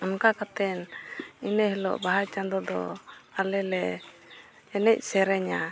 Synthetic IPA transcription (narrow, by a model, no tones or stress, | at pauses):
ɔnkakat̪ɛninɛɦɛlɔ̰ʔbaɦajt͡ʃand̪ɔd̪ɔ̰alɛlɛ | ɛnɛc̚ˀsɛɾɛɲa